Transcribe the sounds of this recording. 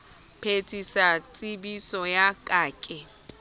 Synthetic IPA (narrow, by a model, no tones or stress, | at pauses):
pʰetʼisat͡sʼibisɔjakʼaːkʼɪ